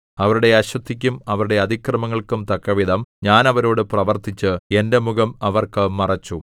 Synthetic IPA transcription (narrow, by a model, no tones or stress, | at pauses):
ɐʋɐɾuɽe̞ɐɕwɐt̪ʰːik̬ʲːumɐʋɐɾuɽe̞ɐd̪ʱikrɐmɐŋːɐɭkumt̪ɐkːɐʋid̪ʱɐmɲaːnɐʋɐɾo̞ːɽɨprɐʋɐrt̪it͡ɕːɨe̞nde̞muɡɐmɐʋɐrkɨmɐrɐt͡ɕːu